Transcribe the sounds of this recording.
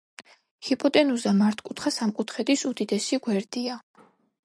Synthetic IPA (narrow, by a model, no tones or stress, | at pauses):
hipʼɔt̪ʼɛnuzd̪amaɾt̪ʰkʼut̪ʰχasamkʼut̪ʰχɛd̪isud̪id̪ɛsiɡwɛɾd̪ia